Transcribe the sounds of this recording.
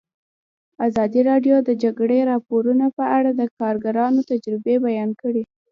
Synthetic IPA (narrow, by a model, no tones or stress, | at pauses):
azɑd̪iɾɑɖjod̪əd͡ʒaɡɽeɾɑpoɾunapəʔaɽad̪əkɑɾɡaɾɑnot̪ad͡ʒɾɪbebajɑnkəɽi